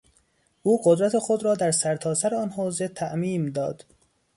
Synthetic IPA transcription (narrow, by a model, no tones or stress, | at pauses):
ʔuːɢod̪ɾæt̪ʰexod̪ɾɒːd̪æɾsæɾt̪ʰɒːsæɾeɒːnɦoːze̞t̪ʰæʔmiːmd̪ɒːd̪̥